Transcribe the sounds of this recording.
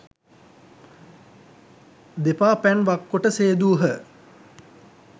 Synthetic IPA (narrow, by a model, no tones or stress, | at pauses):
d̪epaːpænʋakːoʈəseːd̪uːɦə